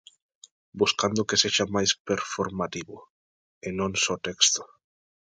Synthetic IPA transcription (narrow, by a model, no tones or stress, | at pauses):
buskand̪ʊkeseʃamajspeɾfoɾmat̪iβʊ | enõŋsɔt̪ɛkst̪o̥